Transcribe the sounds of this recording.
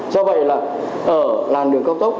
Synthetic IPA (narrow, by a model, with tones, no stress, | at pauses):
zɔ˧və̰˧˨jlaː˨˩ | ʔəː˧˩laː˨˩mɗɨ˨˩əŋkə˧wŋ͡m̚t̪ə˦˥wk͡p̚